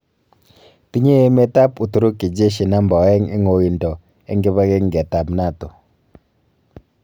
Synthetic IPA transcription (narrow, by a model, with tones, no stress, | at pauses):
t̪i˦ɲe˦ɛ˦mɛ˦t̪a˦pu˨t̪u˨ɾo˦ki˨d͡ʒe˦ʃi˨na˦mba˨wɛ˦ŋɛ˦ŋo˨ji˨ntʼɔ˨ | ɛ˦ŋɡɛ˦βa˦kɛ˦ŋɡɛ˨ta˨pna˦˨tɔ˨